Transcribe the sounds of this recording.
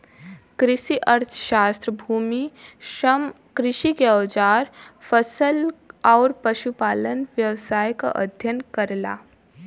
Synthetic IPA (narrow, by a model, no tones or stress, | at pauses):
kɾɪʃiʔəɾt̪ʰʃaːst̪ɾəbʱuːmiʃəm | kɾɪʃikeɐʋd͡ʒaːɾfəsəlaːɾpɐʃupaːlənʋjɐʋsaːjka̰ʔɐ̰d̪ʱjənkəɾla̰ː